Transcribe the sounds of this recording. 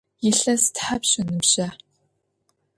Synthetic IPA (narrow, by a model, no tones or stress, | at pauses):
jɪɬɐstħapɕɐnɨmɕɐ